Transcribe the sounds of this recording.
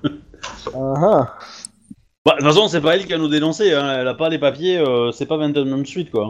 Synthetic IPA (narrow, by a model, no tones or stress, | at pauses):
aɦã | bavɛ̃sɔ̃s̬ɛpaɛlkʲivanud̪elɑ̃seɛ̃ɛlapalepapjeøsɛpavɛ̃nt̪ɛ̃d̪mɛ̃msɥit̪̚kwã